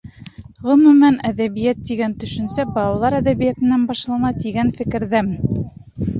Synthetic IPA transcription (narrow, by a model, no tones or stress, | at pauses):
ʁɵ̆mʉmænæðæβijæt̪ːiɡænt̪ɵ̆ʃɵ̆nsæbɑlˠɑlˠɑɾæðæβijæt̪ɘ̆nːænbɑʃlˠɑnɑt̪iɡænfɘ̆kɘ̆ɾðæmɘn